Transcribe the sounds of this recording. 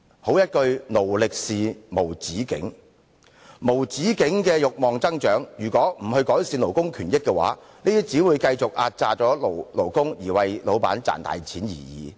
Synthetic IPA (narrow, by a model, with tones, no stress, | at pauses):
ho˨˥wjɐ˥t̚kɵ˧ɥno˨˩wlɪ˨k̚siː˨mo˨˩wt͡siː˨˥kɪ̰˨˥ŋ | mo˨˩wt͡siː˨˥kɪ˨˥ŋkɛː˧jʊ˨k̚mɔː˨ŋt͡sɐ˥ŋt͡ʃœː˨˥ŋjyː˨˩kʷɔː˨˥m̩˨˩hɵ˧ɥkɔː˨˥jsiː˧nlo˨˩wkʊ˥ŋkʰyː˨˩njɪ˥kːɛ˧wa̰ː˨˥ | niː˥t̪iː˥t͡siː˨˥wuː˨˧jkɐ˧jt͡sʊ˨k̚ʔa̰ː˧t̚t͡saː˨t͡sɔː˨˥lo˨˩wlo˨˩wkʊ˥ŋjiː˨˩wɐ˨jlo˨˧wpa̰ː˨˥nt͡sa̰ː˨nt̪a̰ː˨jt͡sʰiː˨˥njḭː˨˩jḭː˨˩